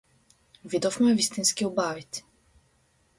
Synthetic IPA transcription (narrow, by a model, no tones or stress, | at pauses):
vid̪ɔfmɛvist̪inskiɔbavit̪ʲi̥